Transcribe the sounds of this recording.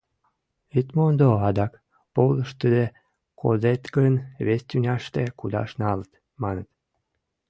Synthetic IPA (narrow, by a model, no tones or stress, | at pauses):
it̪mond̪oɑd̪ɑk | poləʃt̪əd̪e | kʰo̰zet̪ɡənβest̪ʲynʲɑʃt̪ekud̪ɑ̰ʃnɑlət̪ | mɑnət̪